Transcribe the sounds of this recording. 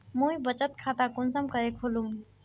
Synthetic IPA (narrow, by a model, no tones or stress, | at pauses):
mujbət͡ʃət̪̚kʰat̪akunsəmkəɾekʰolum